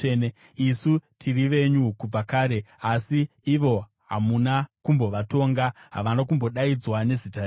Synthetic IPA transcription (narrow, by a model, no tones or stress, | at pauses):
ne | isutʰiriʋe̞ɲukub͡vakaːɾe̞asiː | ʋo̞ | ɦa̰munakumbo̞ʋato̞ːŋɡaɦa̰ʋanakumbo̞ɗaid͡zwane̞zita